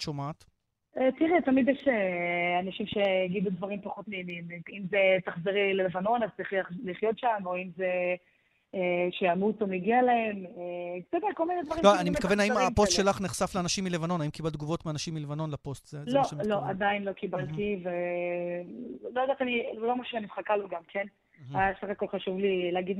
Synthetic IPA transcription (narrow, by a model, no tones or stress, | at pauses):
ʃomaːt | et̪iʁɛt̪amid̪jɛʃeanaʃimʃeɡidud̪vaʁimpaχo̞t̪meːnimimzet̪aχziʁlelevano̞nazt̪iχliχjo̞tʃamoimze | eʃejamutomeɡialaemeksɛd̪eko̞lmined̪vaʁiloanimetkavenhaimapostʃelaχneχsafleanaʃimːilevano̞naimkibald̪̚ɡuvo̞t̪meanaʃimːilevano̞nlapo̞st̪zeloʃlo̞ʔad̪ainlo̞kibalt̪ive | lojad̪aːt̪anilomaʃuʃanivχakaloɡamkʰen | ajasaχakolχaʃuvlileːɡid̪